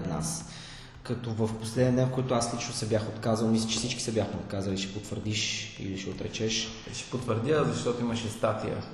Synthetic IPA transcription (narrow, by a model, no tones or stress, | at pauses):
t̪na̰s | kɐt̪ovəfposlɛd̪ʲiəd̪ɛnfkoit̪oaslit͡ʃnʊsɛbʲjaxot̪kazəlˠmislʲɛt͡ʃɛ̥sit͡ʃki̥sɛbʲjaxmɛot̪kazəliʃɛ̥pot̪vəɾd̪iʃḭliʃɛot̪ɾɛ̰t͡ʃɛʃ | ʃɛ̥pot̪vəɾd̪ʲjazɐʃt̪ɔt̪oiməʃɛst̪at̪ḭjə̰